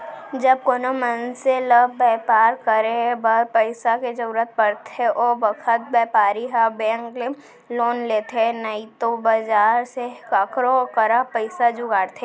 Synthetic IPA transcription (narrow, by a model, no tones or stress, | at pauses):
d͡ʒɐb̚koːnomə̃nselɐbbɛːpaːɾkɐɾeɦbaɾpəɪsaked͡ʒɐɾuːɾət̪̚pɐɽt̪eʔɔːʋɐkʰət̪̚bɛːpaːɾiɦabɛ̃ːŋkle | loːnleːt̪enɐit̪obɐd͡ʒaːɾsekakɾokɐɾapəɪsad͡ʒʊɡaːɽt̪ʰe